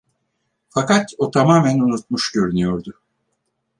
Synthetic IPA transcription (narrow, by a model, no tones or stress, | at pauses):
fakat̪ot̪ʰamaːmænunut̪̚muʃd̪øɾynyjo̞ɾd̪ʊ